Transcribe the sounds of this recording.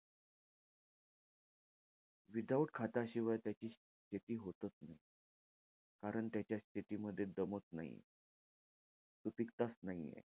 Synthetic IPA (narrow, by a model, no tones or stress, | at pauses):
ʋid̪awʈkʰat̪aɕiʋajt̪jat͡ɕiːɕ | ɕʰet̪iːɦot̪ət͡snaɦi | kaɾəɳt̪jat͡ɕjaɕt̪ʰet̪iːməd̪ʱːjed̪əmot͡s̪na̰ɦḭ | t̪upikt̪asnaɦḭjḛ